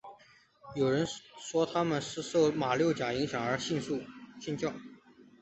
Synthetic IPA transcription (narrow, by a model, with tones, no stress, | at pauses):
jo˨˩ʊɻə˧˥nʂwɔ˥t̪ʰa˥mə˨nsʂ̩˥ʂo˥˩ʊma˨˩ljo˥˩ʊt͡ɕja˨˩i˧˥ŋɕjɑ˨˩ŋə˞˧˥ɕi˥˧nʂu˥˧ɕɛ˥˧nt͡ɕjɑ˥˩ʊ